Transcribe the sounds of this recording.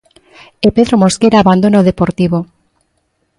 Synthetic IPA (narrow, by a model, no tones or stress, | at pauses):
epeðɾomoskeɾaːβand̪onaoðepoɾt̪iβo